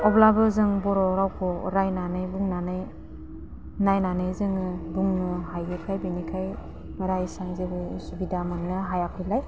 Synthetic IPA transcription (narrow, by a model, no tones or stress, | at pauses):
ɔblabɯzɯŋbɔɾɔɾawkʰɔɾajnanɯjbuŋnanɯj | najnanɯjzɯŋɯbuŋnɯɦajɡɯkʰajbinikʰaj | b̥aɾaisaŋzebɯsubidamɯŋnɯɦajakʰɯlaj